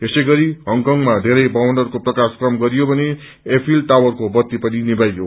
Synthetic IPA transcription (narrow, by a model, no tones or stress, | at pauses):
t̪esʌjɡʌɾiɦʌŋkʌŋmad̪ʱeɾʌjbʌwʌnɖʌrkoprʌkaskrʌmɡʌɾijobʱʌne | epʰilʈawʌrkobʌt̪ːipʌninibajɡjo